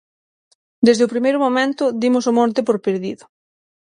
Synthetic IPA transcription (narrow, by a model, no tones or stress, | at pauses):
d̪ezðɪʊpɾimejɾʊmomẽnt̪ʊðimʊsʊmɔ̃nt̪ɪpoɾpeɾðiðʊ